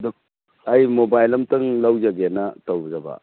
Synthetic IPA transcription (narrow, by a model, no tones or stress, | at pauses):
du | ajmobajlɐmtɯŋlɐwzaɡenɐtɐwzɐbɐ̰